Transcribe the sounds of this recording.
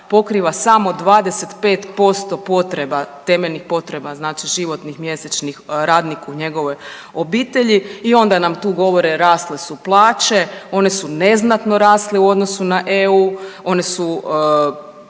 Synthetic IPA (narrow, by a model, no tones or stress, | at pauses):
po̞kɾiːʋasamo̞d̪ʋaːd̪ese̞t̪pe̞ːt̪po̞st̪o̞po̞t̪ɾe̞bat̪e̞meʎnixpo̞t̪ɾe̞baznaːt͡ʃiʒiʋo̞t̪nixmje̞set͡ʃnixɾaːd̪nikuɲe̞ɡo̞ʋo̞j | obiːt̪e̞ʎiio̞nd̪anamt̪uːɡo̞ʋo̞ɾeɾaːst̪lesuplˠaːt͡ʃe̞o̞nesune̞znat̪no̞ɾaːst̪leuo̞d̪nosunaʔeuo̞nesu